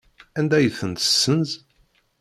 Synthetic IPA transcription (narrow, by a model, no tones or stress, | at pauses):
ænd̪æjəθənt̪ə̥sːənz